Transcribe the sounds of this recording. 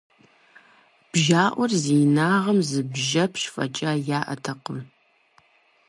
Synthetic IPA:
b̥ʒaːʔʷɔrziːnaːʁɐmzɨbʒɐpʰʃfɐ̰t͡ʃʼaːjaːʔɐ̰tʰɐqəm

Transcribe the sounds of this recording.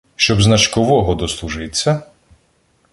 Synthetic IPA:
ʃt͡ʃɔbznɐt͡ʃkɔʋɔɦɔd̪ɔslˠuʒɪt͡sʲːɐ

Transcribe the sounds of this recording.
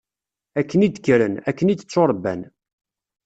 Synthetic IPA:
ækːənid̪kːɾənækːənid̪ət͡sːoɾˤbːæ̰n

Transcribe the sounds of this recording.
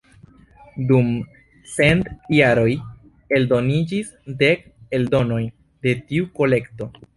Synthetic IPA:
dum | se̞ntjaɾo̞j | e̞ldo̞nid͡ʒis | de̞ke̞ldo̞no̞jn | de̞tiuko̞le̞kto̞

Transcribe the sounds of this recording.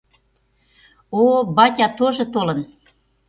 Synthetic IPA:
obɑtʲɑt̪oʒɤ̆t̪olɤ̆n

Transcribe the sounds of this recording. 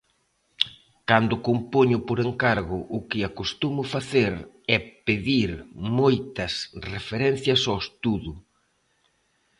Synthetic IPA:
kand̪ʊkompoɲʊpoɾeŋkaɾɣʊʔʊkɪakost̪umʊfaθeɾ | ɛpeðiɾmojt̪ɐsrefeɾɛn̟θjɐsowest̪uðʊ

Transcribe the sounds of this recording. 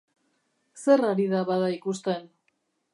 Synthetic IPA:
se̞raɾið̞aβaðaikust̪e̞n

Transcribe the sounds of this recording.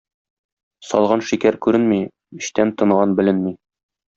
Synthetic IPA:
sɒ̰lˠʁɑnʃikæɾkʉɾɘnmi | ɘ̆ɕt̪ænt̪ɤ̆ɴʁɑnbɘ̆lɘnmi

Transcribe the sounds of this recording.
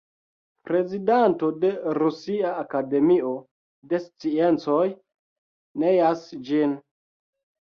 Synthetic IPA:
pɾe̞zidanto̞de̞ɾusiaːkade̞mio̞ | de̞st͡sient͡so̞j | nejasd͡ʒin

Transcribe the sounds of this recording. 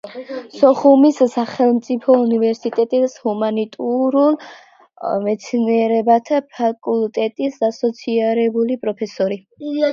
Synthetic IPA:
sɔχumisːaχɛlˠmt̪sʼipʰɔunivɛɾsit̪ʼɛt̪ʼishumanit̪ʼuɾul | mɛt̪sʰniɛɾɛbat̪ʰapʰakʼult̪ʼɛt̪ʼisdasɔt̪sʰiaɾɛbulipʼɾɔpʰɛsɔɾi

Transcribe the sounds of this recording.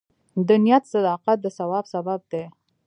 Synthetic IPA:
d̪ənijat̪sad̪ɑqat̪̚d̪əsawɑbsabab̚d̪e

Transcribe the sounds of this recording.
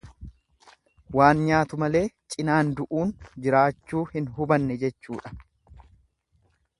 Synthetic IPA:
waːnɲaːt̪ʊmɐle̞ːt͡ʃʼɪnaːnd̪ʊʔuːnd͡ʒɪɾaːt͡ʃːuːhɪnɦʊbɐnːɛd͡ʒɛt͡ʃːuːᶑɐ̥

